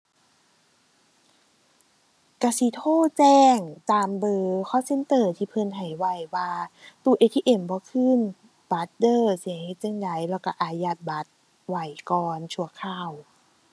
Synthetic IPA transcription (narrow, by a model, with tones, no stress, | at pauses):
ka˧˩si˧˦t̪ʰoː˧˥˩t͡ɕɛː˧ŋt͡ɕaː˨˧mbɤː˧kʰɔː˧˥˨se˧˥˨nt̪ɤː˧˩t̪ʰiː˧pʰɤ˧˩˨nɦa˨˩jwa˧˩jwaː˧t̪u˧˩˨ʔe˧t̪ʰiː˧ʔe˧˩mbɔː˧˦kʰɯː˧˥˨n | ba˨˧˦t̪̚dɤː˧˩si˧˦he˧˩t͡ɕe˧˩ŋda˨˦jlɛː˧˩wka˧˩ʔaː˧˩ja˧˩t̪̚ba˨˦t̪̚ | wa˧˩jkɔː˧nt͡ɕʰu˧˩ɐkʰaː˧˩w